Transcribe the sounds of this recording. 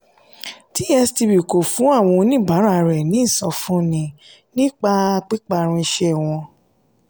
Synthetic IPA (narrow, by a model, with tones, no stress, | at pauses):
ti˦ɛ˧sti˧bi˨ko˨fũ˨˦a˦˨w̃ɔ̃˧nĩ˦˨ba˨˦ɾa˦˨˧ɾɛ˨nĩ˨˦˨sɔ̃˨fũ˦nĩ˨ | nĩ˦k͡pa˧k͡pi˦k͡pa˧ɾ̃ĩ˧ʃɛ˧˨w̃ɔ̃˧